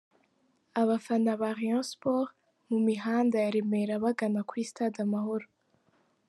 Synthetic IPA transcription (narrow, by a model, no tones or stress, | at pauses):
aβafanaβaʁijɔ̃spoʁ | mumiɦaːndajaɾeme̞ɾaβaɡanakwistadamaɦo̞ɾo